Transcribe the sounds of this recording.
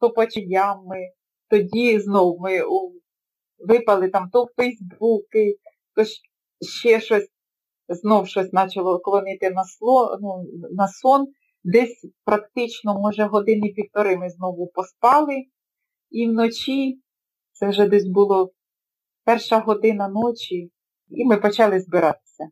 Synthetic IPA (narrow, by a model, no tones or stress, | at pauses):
t̪ɔpɐt͡ʃʲɪnʲamɪ | t̪ɔdʲiznɔwmɪu | ʋɪpɐlˠɪt̪ɑmt̪ɔwfɛjzbbukɪ | t̪ɔʃ | ʃt͡ʃɛʃɔsʲ | znɔwʃɔsʲnɑt͡ʃɐlˠɔkɔlˠɔnɪt̪ɪnɐsˠɔnunɐsɔn | d̪ɛsʲpɾɐkt̪ɪt͡ʃnɔmɔʒɛɦɔd̪ɪnɪpʲiwt̪ɔɾɪmɪznɔʋʊpɔspɑlˠɪ | iwnɔt͡ʃʲi | t̪sɛwʒɛd̪ɛs̬ʲbʊlˠɔ | pɛrʃɐɦɔd̪ɪnɐnɔt͡ʃʲi | imɪpɔt͡ʃɑlˠɪzbɪɾɑt̪ɪ̥sʲɐ